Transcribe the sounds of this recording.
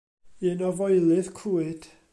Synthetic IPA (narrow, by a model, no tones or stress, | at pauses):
ɨnɔvɔjlˠɨðkʰuːɨd̥